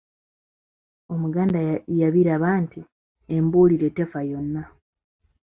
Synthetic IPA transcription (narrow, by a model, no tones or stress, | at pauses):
o̞muɡaːndajaβiɾaβaːnti | embuːliɾe̞te̞fajo̞nːa